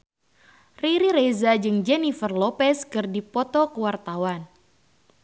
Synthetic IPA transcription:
riɾiɾezad͡ʒɨŋd͡ʒɛnifərlɔpɛskɨrdipɔt̪ɔkəwart̪awan

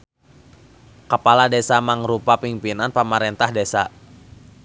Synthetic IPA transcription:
kəpaladesamaŋɾupapimpinanpəmaɾɛnt̪ahdesa

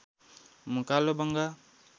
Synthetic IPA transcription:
mukalobaŋɡa

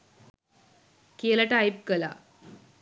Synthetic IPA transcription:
keːlɐʈajp̚kəla̰

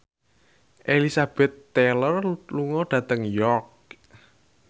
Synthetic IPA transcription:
ʔelisab̥ɛt̪ːɛlərluŋɔɖ̥ä̤t̪əŋjɔrk̚

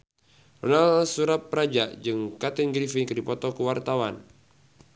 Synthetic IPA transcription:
rɔnalsuɾap̪̚pːɾad͡ʒad͡ʒɨŋkat̪inɡɾifikɨdipɔt̪ɔkuwart̪awan

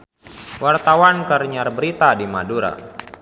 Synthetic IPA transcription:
wart̪awankəɾɲarbəɾit̪adimaduɾa̰

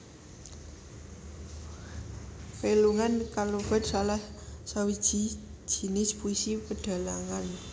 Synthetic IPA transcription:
feluŋankaloba̤d̪salahsawid̥ʒ̥i̤̥ʒ̥i̤nɪspuisipəɖ̥a̤laŋan

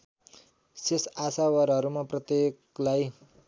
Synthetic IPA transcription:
sesasawʌɾɦʌɾumaprʌt̪eklaj

